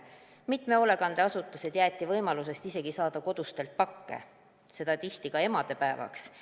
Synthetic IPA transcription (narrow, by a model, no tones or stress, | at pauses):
mit̪ˑme̞o̞le̞kɑnd̪̥eɑsut̪ːˑɑsed̪̥jæːt̪ʲːˑivɤjmɑluse̞st̪ise̞ɡisɑːd̪̥ɑko̞d̪̥ust̪e̞lt̪̚pɑkːe̞̰ | se̞d̪̥ɑt̪iht̪ikɑe̞mɑd̪̥e̞pæevɑ̰ks